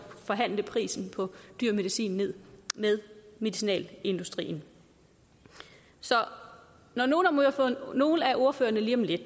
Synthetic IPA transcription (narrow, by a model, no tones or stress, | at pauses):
fɒ̽ɦæn̰ləpʰʁḭːsn̩pʰɒ̽d̥yɐ̰me̝ðisḭːnːe̝ð̞̰ˠmeðˠme̝ðisinɛ̰ːle̝nd̥usd̥ʁḭːn̩ | sɒ̽ | nɒno̝ːn̩ɒmoɑfɔ̽no̝ːl̩æʔo̝ɐfø̰ːɐnəliːɒm̩led̥